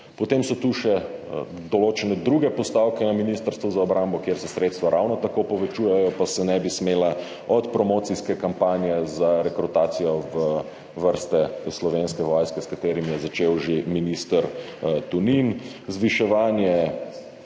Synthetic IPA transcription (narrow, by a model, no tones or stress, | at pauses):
pɔt̪emsɔt̪uʃɛ | d̪ɔloːt͡ʃɛnɛd̪ɾuɡɛpɔst̪awkɛnaminist̪əɾst̪ʋuzaɔbɾambɔkjeɾsɛsɾeːt̪st̪ʋaɾʔawnɔt̪akopɔʋɛt͡ʃujɛjɔpasɛnɛbismeːla | ɔt̪pɾɔmoːt̪siskɛkampaːnjɛzaɾɛkɾut̪aːt̪sijɔʋə | ʋəɾst̪ɛslɔʋeːnskɛʋɔjskɛskat̪eːɾimjɛzat͡ʃeːwʒeminist̪əɾt̪uninzʋiʃɛʋaːnjɛ